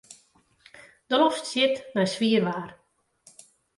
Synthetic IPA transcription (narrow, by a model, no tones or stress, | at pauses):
d̥əlɔstsjɪtnajsʋiərʋaːr